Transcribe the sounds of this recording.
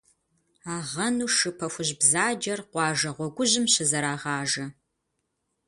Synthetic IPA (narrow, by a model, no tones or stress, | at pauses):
aːʁɐnuːʂɨpʰɐxʷʊʑbzaːd͡ʒɐrqʷɑːʒɐʁʷɔɡʷʊʑɪmɕɐzɐɾaːʁɑːʒɐ